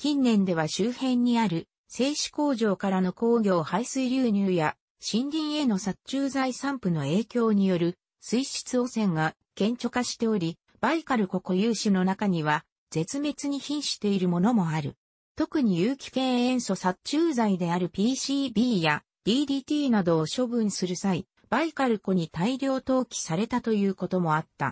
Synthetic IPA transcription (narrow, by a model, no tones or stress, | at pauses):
kʲĩnːẽ̞nd̪e̞β̞aɕɨːhẽ̞ɲ̟ːiaɾɯ̟ | se̞ːɕi̥ko̞ːʑo̞ːkaɾano̞ko̞ːɡʲo̞ːhaisɨiɾʲɨːɲ̟ɨːja | ɕĩnɾʲĩɰ̃e̞no̞sat͡ɕɨːzaisãmpɯ̟no̞e̞ːkʲo̞ːɲ̟ijo̞ɾɯ̟ | sɨiɕi̥t͡sɨo̞sẽ̞ŋɡa | kẽ̞ɲ̟t͡ɕo̞kaɕi̥t̪e̞o̞ɾʲi | b̥aikaɾɯ̟ko̞ko̞jɯːɕɨno̞nakaɲ̟iβ̞a | d͡z̥e̞t͡sɨme̞t͡sɨɲ̟içĩɰ̃ɕi̥t̪e̞iɾɯ̟mo̞no̞mo̞aɾɯ̟̰ | t̪o̞kɯ̟ɲ̟ijɯːkʲi̥kẽ̞ɰ̃ẽ̞ɰ̃so̞sat͡ɕɨːzaid̪e̞aɾɯ̟pʲiːɕiːbʲiːja | d̪̥ʲiːd̪ʲiːt̪ʲiːnad̪o̞ːɕo̞bɯ̟̃ɰ̃sɨɾɯ̟sai | b̥aikaɾɯ̟ko̞ɲ̟it̪aiɾʲo̞ːt̪o̞ːkʲi̥saɾe̞t̪at̪o̞jɯ̟ːko̞t̪o̞mo̞at̪ːa̰